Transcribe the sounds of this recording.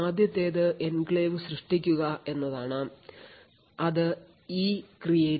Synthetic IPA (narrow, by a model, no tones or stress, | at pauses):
aːd̪ʱjɐt̪ːe̞ːðɨʔenɡɭeːʋɨɕrɨʂʈikʲːuɣɐʔe̞nːɐðaːɳɨ | ɐðɨ | iːkrije